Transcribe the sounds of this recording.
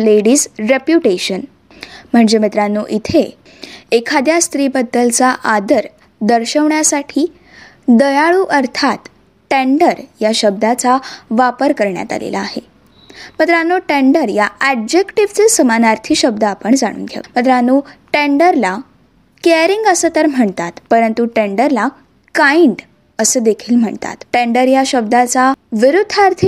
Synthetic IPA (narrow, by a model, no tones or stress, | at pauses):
leɽiːsɾepjuʈeɕən | m̤əɳd͡zemit̪ɾanːoʔit̪ʰe | ekʰad̪jast̪ɾiːbəd̪ːəlt͡saʔad̪əɾ | d̪əɾɕəʋɳjasaʈʰiː | d̪əjaɭuːʔəɾt̪ʰat̪ | ʈeɳɖəɾjaɕəb̚d̪at͡saʋapəɾkəɾɳja̰t̪a̰lḛla̰ːɦe | mət̪ɾəanoʈeɳɖəɾjaæɖd͡ʑekʈiʋt͡sesəmanaɾt̪ʰiːɕəbd̪əapəɳd͡za̰ɽ̃ṵːnɡʱja̰mət̪ɾəanuʈeɳɖəɾla | keɾiŋɡəsət̪əɾm̤əɳt̪at̪pəɾənt̪uʈeɳɖəɾla | kajiɳɖ | əsəːd̪ekʰiːlm̤əɳt̪a̰t̪ʈeɳɖəɾjaɕəb̚d̪at͡saʋiɾud̪ʱːaɾt̪ʰi